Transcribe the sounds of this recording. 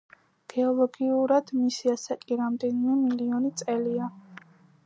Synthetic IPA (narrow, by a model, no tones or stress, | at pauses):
ɡ̥ɛɔlˠɔɡiuɾad̪̥misiasakʼiɾamd̪ɛnimɛmiliɔnit̪sʼɛlia